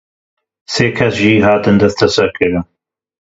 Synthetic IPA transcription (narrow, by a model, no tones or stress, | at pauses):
seːkʰɛsʒiɦaːt̪ɨnd̪ɐst̪ʰɐsɐɾkʰɨɾɨn